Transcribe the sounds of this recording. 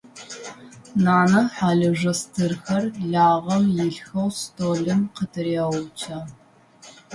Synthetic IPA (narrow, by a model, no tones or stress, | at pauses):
naːnɐħaːɮɐʐɐstʰɨrxɐrɮaːʁɐmjɪɬxɐwstʰoːɮɨmqətʰɨɾeːwʊt͡ʃʰaː